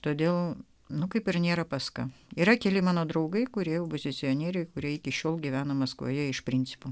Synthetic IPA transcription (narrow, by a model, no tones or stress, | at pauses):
t̪oːd̪ʲeːlˠ | nʊkɐɪpɪɾnʲeːɾɐpɐskɐiːɾɐkʲɛlʲɪmɑːnoːd̪ɾɐʊɡɐɪkʊɾʲiɛjɛʊbʊzʲɪsʲɪjonʲeːɾʲɛɪkʊɾʲiɛɪkʲɪʃʲoːlˠɡʲiʋʲæːnɐmɐskʋo̰jɛɪʃpʲɾʲɪnʲt͡sʲɪ̥poː